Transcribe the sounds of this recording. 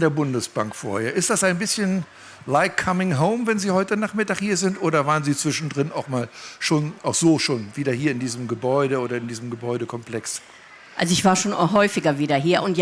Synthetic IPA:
deːɐbʊndəsb̥aŋkfo̰ːɐheːɐʔɪstd̥asaɪnbɪsçən | laɪkʰamɪŋɦoʊmvɛnziːhɔʏtənaːχmɪtaːχhiːɐzɪntʔoːɾɐvaːʁənziːt͡sv̥ɪʃn̩dʁɪnaʊxmaːlʃoːnaʊxz̥oːʃoːnviːdɐhiːɐɪndiːzəm̩ɡəbɔʏɾəoːɾɐɪndiːzəm̩ɡəbɔʏɾəkʰɔmplɛks | ʔa̰lzoɪçv̥aːɐʃoːnɦɔʏfɪɡɐviːdɐɦiːɐʔʊntj

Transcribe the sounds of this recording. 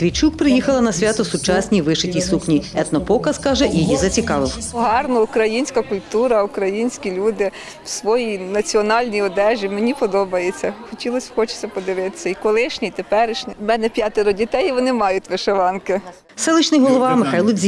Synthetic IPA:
t̪ʋʲit͡ʃuk̚pɾɪjixɐlˠɐnɐsʲʋʲat̪ɔwsʊt͡ʃasʲnʲiʋɪʃɪtʲijsuxnʲiɛt̪nɔpɔkɐzkɑʒɛʔijizɐt͡sʲikɑʋɪwpɔɦɑrnɔukɾɐjinʲsʲkɐkʊlʲt̪uɾɐukɾɐjinʲsʲkʲilʲud̪ɪ | wsʋɔjijnɐt͡sʲiɔnɑlʲnʲijɔd̪ɛʒʲimenʲipɔd̪ɔbɐjet͡sʲːɐxɔtʲilˠɔsʲxɔt͡ʃɪ̥sʲɐpɔd̪ɪʋɪt̪ɪ̥sʲɐikɔlˠɪʃnʲit̪epɛɾɪʃnʲimɛnɛpʲjɑt̪ɪɾʊdʲit̪ɛjʋɔnɪmɑjʊtʲʋɪʃeʋɑnkɪ | sɛlˠɪt͡ʃnɪjɦɔlˠɔʋɑmɪxɑjlˠʊd̪ʲzʲi

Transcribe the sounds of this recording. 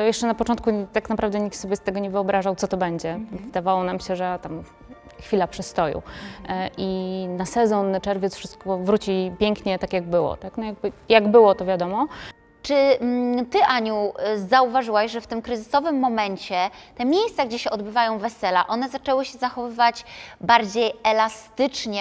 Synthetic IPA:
jɛʂt͡ʂɛnapɔt͡ʂɔnt̪̚kut̪aknapɾavd̪ɛɲikt̪sɔbʲjɛst̪ɛɡɔɲɛvɘɔbɾaʐawt̪sɔt̪ɔbɛɲd͡ʑɛvɘd̪avawɔnamɕɛʐɛt̪am | xfʲilapʂɛst̪ɔjṵʔinasɛzɔnːat͡ʂɛɾvʲjɛtsfʂɘst̪̚kɔvɾut͡ɕipʲjɛŋkɲɛt̪akʲjaɡbɘwɔ̰t̪aknɔjaɡ̚bɘjaɡbɘwɔt̪ɔvʲjad̪ɔmɔ | t͡ʂɘt̪ɘʔaɲuzauvaʐɘwaɕʐɛft̪ɘmkɾɘzɘsɔvɘmːɔmɛɲt͡ɕɛt̪ɛmʲjejst̪saɡd͡ʑɛɕɛɔd̪bɘvajɔ̃w̃vɛsɛla̰ʔɔn̪ɛzat͡ʂɛwɘɕɛzaxɔvɘvat͡ɕbaɾd͡ʑejɛlast̪ɘt͡ʂɲɛ

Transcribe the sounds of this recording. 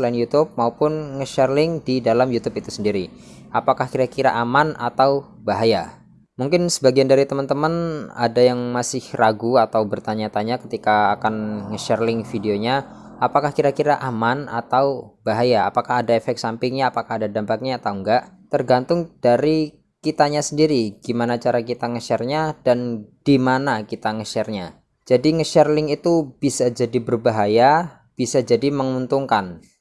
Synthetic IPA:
lainjut̪ʊp̚maupʊnŋəʃɛrlɪŋdidalamjut̪upit̪usəndiɾiʔapakahkiɾakiɾa̰ʔamana̰t̪aw | baɦaja | muŋkɪnsəbaɡiandaɾit̪əmənt̪əməna̰dajaŋmasɪhraɡuat̪awbərt̪aɲat̪aɲakət̪ikaːkanŋəʃɛrlɪŋfideoɲa | apakahkiɾakiɾaʔamana̰t̪awbaɦajaːpakahɦadaefɛk̚sampɪŋɲaːpakaɦadadampak̚ɲaaːt̪auŋɡaʔ | t̪ərɡant̪ʊŋd̥aɾi | kit̪aɲasəndiɾiɡ̥imanat͡ʃaɾakit̪aŋəʃɛrɲadanɡ̥imanakit̪aŋəʃɛrɲa | d͡ʒadiŋəʃɛrlɪŋit̪ub̥isad͡ʒadibərbaɦaja | b̥isad͡ʒadiməŋunt̪uŋkan

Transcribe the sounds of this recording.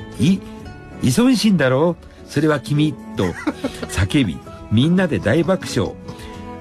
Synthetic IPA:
i | isõ̞ɕĩnd̪aɾo̞ː | so̞ɾe̞βakʲimʲit̪ːo̞sake̞bʲḭ | mʲĩnːad̪e̞d̪aibakɯ̟̥ɕo̞̰ː

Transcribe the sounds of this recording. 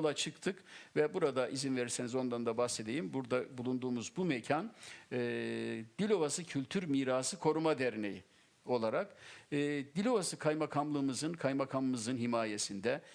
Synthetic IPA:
lˠat͡ʃʰɯkt̪ʰɯkvɛbuɾad̪aʔizinve̞ɾiɾse̞nizo̞nd̪and̪abaxse̞d̪e̞jimbuɾd̪abulˠund̪uːmuzbumɛcʰanɯːd̪̥ilʲo̞vasɯcʰylʲt̪ʰyɾmiːɾaːsɯkʰo̞ɾumad̪ɛɾnḛji | o̞lˠaɾakɯːd̪ilʲo̞vasɯkʰajmakʰamlˠɯːmɯzɯnkʰajmakʰammɯzɯnɦimaːje̞sind̪ɛ

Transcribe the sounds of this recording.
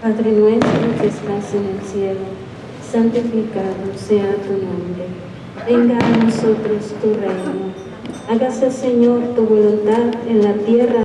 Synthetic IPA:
paðɾenwest̪ɾokest̪asenelsjelo | sant̪ifikaðoseat̪unõmbɾe | eŋɡanosot̪ɾost̪urejno | aɣasaseɲoɾt̪uβolunt̪aðenlat̪jera

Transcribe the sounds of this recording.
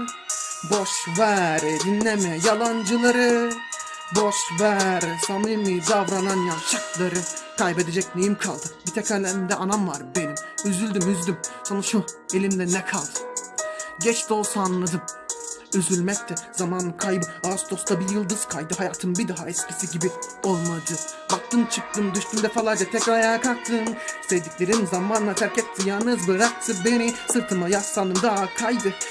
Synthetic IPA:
boʃvæɾd̪inːɛmɛjalˠand͡ʒɯlˠaɾɯ | boʃvæɾsanɯjmid̪avɾananjaʃaklˠaɾɯkʰajbed̪ɛd͡ʒɛcnejimkʰa̰lˠd̪ɯmbit̪ʰɛcʰʲælʲɛnimd̪ɛʔanamvaɾbenimyzylʲd̪ymyzd̪ymsonaʃuelʲimlʲɛnɛkʰalˠd̪ɯ̥ | ɟɛt͡ʃt̪olˠsaːnːɯd̪ɯm | yzylʲmɛc̚t̪ʰɛzamankʰajbɯast̪ʰo̞st̪abijɯlˠd̪ɯz̥kʰajd̪ɯɦajaːt̪ʰɯmbid̪aɦaɛscʲisiɟibio̞lˠmad̪ɯbak̚t̪ʰɯmt͡ʃʰɯk̚t̪ɯmd̪yʃt̪ʰymd̪ɛfalˠad͡ʒat̪ʰɛcɾajaːkʰak̚t̪ʰɯnt̪ed̪icʲlʲe̞ɾinzamanlˠat̪ʰæɾcɛt̪zijanɯzbɯɾak̚t̪ʰɯbenisɯɾt̪ʰɯmajast̪alˠɯmd̪aakʰajd̪ɯ

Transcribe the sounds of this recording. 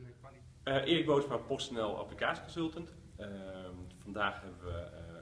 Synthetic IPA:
əʔɪəɪkʋoːsmapostənɛlˠa̰plikaːsjə̥kɔnsɵlˠtənt | fɔndaːxhɛbəʋə

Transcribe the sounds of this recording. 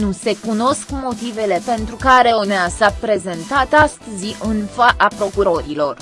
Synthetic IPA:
nuse̞kuno̞skmo̞t̪ive̞le̞pe̞nt̪ɾukaɾeoneassapɾe̞ze̞nt̪at̪ast̪ɨziʔɨnfaʔapɾo̞kuɾo̞ɾilo̞r

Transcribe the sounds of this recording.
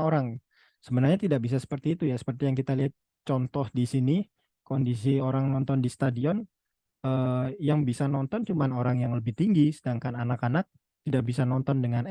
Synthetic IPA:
oɾaŋ | səbənarɲat̪idaʔ̚bis̬asə̥pərt̪iːt̪ujasə̥pərt̪ijaŋkit̪aliɦat̪̚ | t͡ʃɔnt̪ɔhdisini | kondisioɾaŋnɔnt̪ɔndist̪adiɔn | əjaŋbisanɔnt̪ɔnt͡ʃumanoɾaŋjaŋləbɪht̪iŋɡisədaŋkananakanak̚ | t̪idaʔbisanɔnt̪ɔndəŋan

